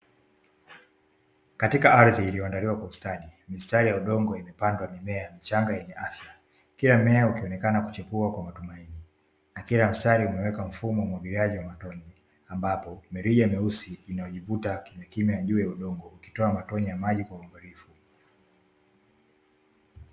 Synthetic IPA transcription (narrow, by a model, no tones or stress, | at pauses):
katikaaɾðiːlijɔandaliwakwaustaɗimistaɾijauɗɔŋɡɔimɛpandwamimɛamit͡ʃaŋɡajɛɲɛʔafja | kilam̩mɛaukiɔnɛkanaku̥t͡ʃɛpuakwamatumaini | nakilam̩staɾiumɛwɛkam̩fumɔwumwaɡiɾiaʄiwamatɔɲi | ambapɔmɛɾiʄamɛusiːnajɔʄivutakimakimajaʄuːjauɗɔŋɡɔuki̥tɔamatɔɲijamaʄikwauambɔɾifu